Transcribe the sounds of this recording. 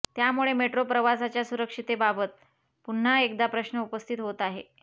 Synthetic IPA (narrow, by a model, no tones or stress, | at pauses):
t̪jamuɭemeʈɾopɾəʋasat͡ɕjasuɾəkʂit̪ebabət̪̚ | pun̤ːaekd̪apɾəɕnəupəst̪ʰit̪ɦot̪aɦe